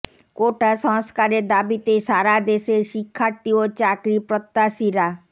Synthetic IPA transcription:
koʈasə̃skaɾed̪abit̪esaɾad̪eseʃikʰːaɾt̪iot͡ʃakɾipɾət̪ːasiɾa

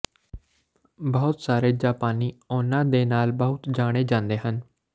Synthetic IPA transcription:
bəʊt̪saːɾeːd͡ʒaːpaːniːoːnãːd̪eːnaːlbəɦʊt̪d͡ʒaːɽ̃eːd͡ʒãːnd̪eːɦən

